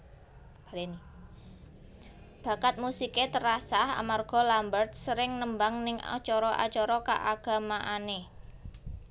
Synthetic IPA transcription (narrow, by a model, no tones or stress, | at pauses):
leni | b̥a̤kat̪̚musiket̪əɾasaha̰marɡ̥ɔ̤lambərt̪̚səɾɪŋnəmbaŋnɪŋa̰t͡ʃɔɾɔʔa̰t͡ʃɔɾɔka̰ʔaɡ̥a̤maʔane